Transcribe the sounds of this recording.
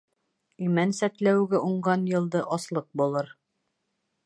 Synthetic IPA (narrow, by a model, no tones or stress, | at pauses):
imænsæt̪læwɡɘʔuɴɢɑnjɤ̆lˠd̪ɤʔɑslˠɤq̚bulˠɤɾ